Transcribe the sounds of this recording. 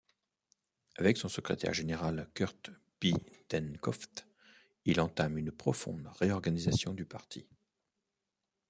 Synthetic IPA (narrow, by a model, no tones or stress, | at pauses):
avɛksɔ̃səkχḛt̪ɛ̰ʁʒeneʁalkʲœʁt̪ | pit̪ɛnkɔft̪ | ilɑ̃t̪amynpχɔfɔ̰̃d̪ʁeɔʁɡanizasjɔ̃d̪ypaʁt̪ʰi